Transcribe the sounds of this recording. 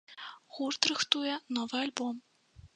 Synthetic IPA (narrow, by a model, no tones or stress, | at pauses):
ɣurt̪ɾɨxt̪ujɛnɔvɨalʲbɔm